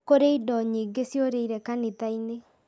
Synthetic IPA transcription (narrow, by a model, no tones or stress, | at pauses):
koɾeidɔɲiːŋɡesjoɾeiɾɛkanet̪aine